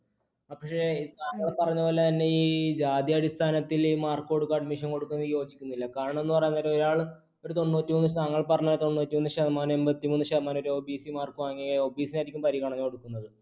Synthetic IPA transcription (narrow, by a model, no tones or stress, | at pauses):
aːpːɐkʂeiðaːɐɭpɐrɐɲːɐoːlːɐt̪ɐnːe̞iːd͡ʑaːd̪jɐɐɽist̪ʰaːnɐt̪ːiliːmaːrkːo̞ɽukːaːɖmiʂɐnko̞ɽukːunːɐðɨjo̞ːd͡ʑikʲːunːilːɐkaːɾɐɳɐme̞nːɨpɐrɐjunːɐɾoɾaːɭ | o̞ɾut̪o̞ɳːɨnuːtːimonːɨɕɐaŋːɐɭpɐrɐɲːɐoɾut̪o̞ɳːnuːtːimonːɨɕɐðɐmaːne̞mbɐt̪ːimuːnːɨɕɐðɐmaːno̞ɾuobiːsimaːrkuʋaːŋːioːbiːsinaːɾikʲːumpɐɾiɣɐɳɐɲːuko̞ɽukːunːɐðɨ